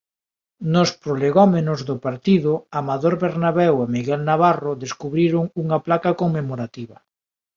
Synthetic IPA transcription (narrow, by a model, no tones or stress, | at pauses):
nospɾoleɣomenozðʊpaɾt̪iðʊamaðoɾβeɾnaβɛwemiɣɛlnaβarʊðeskuβɾiɾʊŋuŋaplakakoŋmemoɾat̪iβɐ